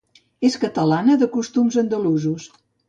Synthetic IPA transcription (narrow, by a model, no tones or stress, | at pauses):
eskət̪əlanəðəkust̪umzənd̪əluzus